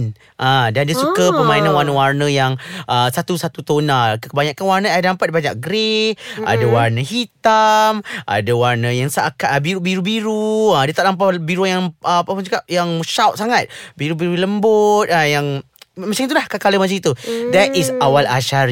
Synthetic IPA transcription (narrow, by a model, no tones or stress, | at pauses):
n | ʔadandiəsukəpəmãinanwarnəwarnəjaŋʔəsat̪usat̪ut̪onalkəkəbaɲakanwarnəadampat̪̚baɲak̚ɡɾea̰dəwarnəɦit̪amʔa̰dəwarnəjaŋsakaʔbiɾubiɾubiɾuadət̪aʔlampabiɾunjaŋʔpapənd͡ʒuɡap̚jaŋʃawt̪̚saŋat̪̚biɾubiɾuləmbot̪̚ajaŋ | mat͡ʃaŋit̪ulahkakaləmat͡ʃaŋit̪ud̪ɛt̪isawalaʃaɾi